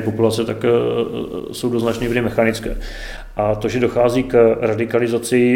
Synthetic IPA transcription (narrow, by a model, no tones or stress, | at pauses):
populat͡sɛt̪ak | so̞wdoznat͡ʃnɛvɾɪmɛxanɪt͡skɛ̰ː | ʔat̪o̞ʒɛdo̞xaːziːkɾadɪkalɪzat͡sɪ